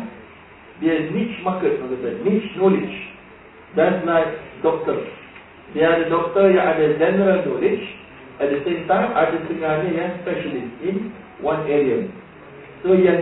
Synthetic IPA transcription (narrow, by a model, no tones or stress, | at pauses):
deənit͡ʃmakətãɡədənit͡ʃnɔlid͡ʒ | d̪ɛslaɪkdɔk̚tə | deadədɔk̚təjaʔadəd͡ʒɛnəɾəlnɔlɪd͡ʒ | ʔɛt̚d̪əsẽmtãɪ̃ma̰dəsɨ̃ŋanəjaspɛʃəlisĩn | wãneɹiə | sojɛ